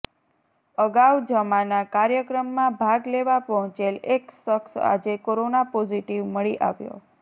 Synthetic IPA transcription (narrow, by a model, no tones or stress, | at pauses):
əɡaʋd͡ʒəmanakaɾjəkɾəmːãbʱaɡleʋapɔɦɔ̃t͡ʃeleksəksa̰d͡ʒekoɾonapod͡ʒiʈiʋməɭiʔaʋjo̰